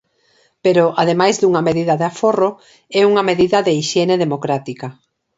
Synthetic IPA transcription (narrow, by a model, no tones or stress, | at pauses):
peɾoʔað̞emajzðuŋameðiðaðeaforo | ɛuŋɐmeðiðɐðeiʃjɛneðemokɾat̪ika